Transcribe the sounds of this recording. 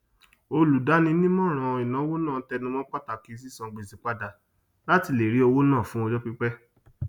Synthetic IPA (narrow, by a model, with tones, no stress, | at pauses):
o˧lu˨da˨˦nĩ˧nĩ˦mɔ̃˦˨ɾ̃ã˨˧˨i˨nã˨˦wo˦nãː˦˨˦tɛ˧nũ˧mɔ̃˦k͡pa˦˨ta˨ki˨˦s̬i˦sã˧ɡ͡be˨zi˨˦k͡pa˦da˧ | la˦ti˧le˨ɾi˨˦ɔ˧wo˦nãː˦˨fũ˨˦ɔ˧d͡ʒɔ˦k͡pi˦k͡pɛ˦